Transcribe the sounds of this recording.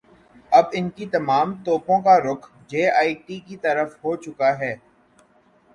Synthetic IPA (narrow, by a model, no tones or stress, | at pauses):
ɐbɪnkit̪ɐmaːmt̪oːpõkaɾʊkʰ | d͡ʒeːaːiʈiːkit̪ɐɾəfɦoːt͡ʃʊkaɦɛː